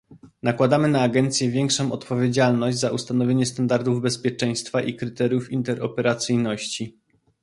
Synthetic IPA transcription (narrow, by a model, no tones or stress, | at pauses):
nakwad̪amɘnaːɡɛnt̪sʲjɛvʲjɛŋkʂɔ̃w̃ʔɔt̪pɔvʲjed͡ʑalnɔʑd͡ʑʲzaʔust̪anɔvʲjeɲɛst̪and̪aɾd̪uvbɛspʲjɛt͡ʂɛj̃st̪faʔikɾɘt̪ɛɾʲjufint̪ɛɾɔ̰pɛɾat̪sɘjnɔɕt͡ɕi